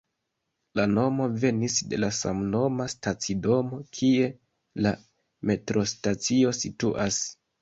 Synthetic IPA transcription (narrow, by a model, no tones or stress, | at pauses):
lano̞mo̞ve̞nisde̞lasa̰mno̞mastat͡sido̞mo̞kʰie̞ | la | me̞tɾo̞stat͡sio̞situʔas